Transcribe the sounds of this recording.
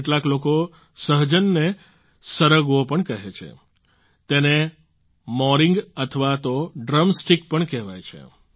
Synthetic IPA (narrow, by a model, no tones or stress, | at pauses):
ʈlakloko | səɦd͡ʒənːe | səɾəɡʋopəɳkəɦet͡ʃʰḛ | t̪ene | mɔɾiŋɡət̪ʰəʋat̪oɖɾəmsʈikpəɳkɛʋajt͡ʃʰḛ